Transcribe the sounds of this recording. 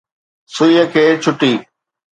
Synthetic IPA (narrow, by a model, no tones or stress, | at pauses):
sʊiəkʰeːt͡ɕʰʊʈiː